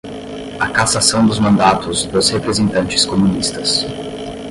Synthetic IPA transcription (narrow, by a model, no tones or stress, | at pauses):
ɐkasasɐ̃w̃d̪ʊzmɐ̃nd̪at̪ʊzd̪ʊshepɾezẽnt̪ɐ̃nt͡ʃɪ̥skomũnist̪ɐs